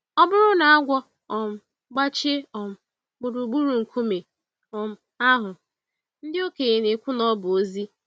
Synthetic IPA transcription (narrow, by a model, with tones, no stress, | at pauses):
ɔ˦bʊ˦ɾʊ˦na˨a˦ɡʷɔ˦ | ɔ˨m̩˦˨ | ɡ͡ba˦t͡ʃɪ˦ɔ˨m̩˨ | ɡ͡bu˨ɾu˨ɡ͡bu˦ɾu˨ŋ̩˨kʰu˦me˨ | ɔ˨m̩˦ | a˦ɦʊ˨ | n̩˦dɪ˦o˦ke˨e˨ne˨kʷʊ˦nɔ˦bʊ˨o˦zi˦